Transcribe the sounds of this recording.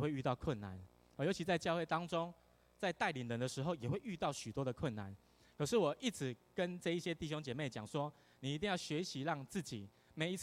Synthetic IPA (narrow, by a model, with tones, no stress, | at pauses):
we˥˧ɪy˥˧t̪ɑ˥˧ʊkʰwə˥˨nːa̰˨˩n˨˩ | jo˧˥t͡ɕʰi˧t͡sa˥˧ɪt͡ɕjɑ˥˧xwe˥˩ɪt̪ɑ˦ŋʈ͡ʂo˦ŋ | t͡sa˥˧ɪt̪a˥˩ɪli˨˩nlə˨˦ŋd̪ə˧ʂɻ̩˧xo˥˨ʊjɛ˨˩we˥˧ɪy˥˧t̪ɑ˥˩ʊɕy˨˩t̪wɔ˦d̪ə˨kʰwə˥˨nːa̰˨˩˦n | kʰɤ˨˩ʂɻ̩˥˩wɔ˨˩ʔi˥˩t͡s̩ʰ˨˩kə˦˥nʈ͡ʂɤ˥˧i˥˩ɕjɛ˦˥t̪i˥˨ɕ̬o˥ŋt͡ɕjɛ˨˩me˥˩ɪt͡ɕjɑ̰˨˩ŋswɔ˦ | ni˨˩i˧t̪̬i˥˧ŋjɑ˥˩ɕɥe˧˦˥ɕi˨˦ɻɑ˥˩ŋt͡sɹ̩˥˩t͡ɕḭ˨˩ | me˨˥ɪi˧˥t͡s